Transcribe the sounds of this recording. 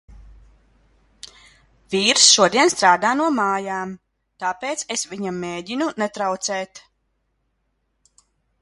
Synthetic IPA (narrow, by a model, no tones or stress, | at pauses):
vʲiːɾsʃuɔd̪iɛnst̪ɾaːd̪aːnuɔmaːjaːm | t̪aːpeːt̪sesvʲiɲamːeːɟinunɛt̪ɾawt̪sɛːt̪